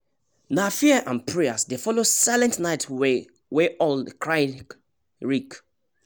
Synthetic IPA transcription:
nafiəʔãnpʰɹeasdefɔlosaɪlɛ̃ntnaɪtʰ | weʔɔlkʰɹaɪ | ɹik

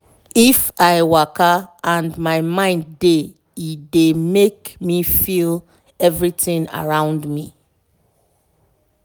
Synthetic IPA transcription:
ifaɪwakaãndmaɪmãɪ̃ndːe | idemekmifil | ɛvɹitĩŋa̰ɹãʊ̃ndmi

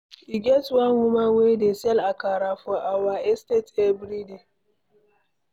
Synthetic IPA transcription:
ʔiɡʲɛtwanwumawedesɛlakaːɾafɔʔawaːʔɛstetebɾide

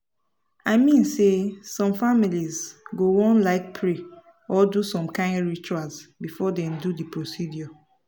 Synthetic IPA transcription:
aɪmĩnsesɔ̃mfamilizɡoɔ̃nlaɪk̚pʰɹe | ɔdusɔ̃mkãɪ̃ndɹit͡ʃualsbifɔdɛ̃ndudipɹosidjɔ

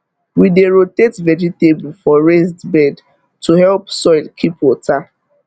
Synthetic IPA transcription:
wideɹotetvɛd͡ʒitebl̩fɔɹes̬tbɛd | tʰuhɛlpsɔjlkʰipɔtʰa

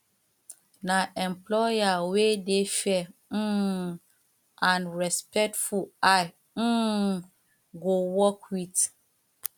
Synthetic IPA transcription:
naʔɛ̃mplɔjawedefɛ̃ | ãnɹɛspɛk̚tfua | ɡowɔkwit

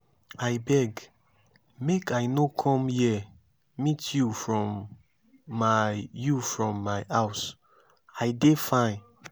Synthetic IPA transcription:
ajbɛɡ | mekajnokʰɔ̃mjɛ | mitjufɹɔ̃mː | ajufɹɔ̃mːaɪʔaʊs | aɪdefã

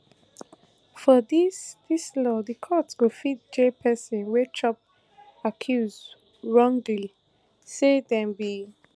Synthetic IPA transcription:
fɔdisdislɔdəkʰɔtsɡ̥ofid̚d͡ʒepʰɛsɔ̃nwet͡ʃɔp̚ | akʰjuz | ɹɔ̃ŋɡli | sedɛ̃mbi

